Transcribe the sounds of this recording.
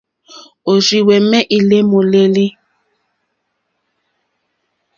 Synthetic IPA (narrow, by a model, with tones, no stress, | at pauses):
o˨zi˨wɛ˨mɛ˦ʔi˨le˦mo˨le˦li˦